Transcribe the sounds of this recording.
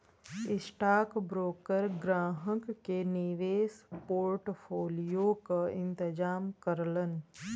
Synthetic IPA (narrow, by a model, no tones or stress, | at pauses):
ɪsʈaːkbɾoːkəɾɡɾaːɦəkːeniʋeːspoːɾʈpʰoːlijokaɪ̃nt̪ɪd͡ʒaːmkəɾlən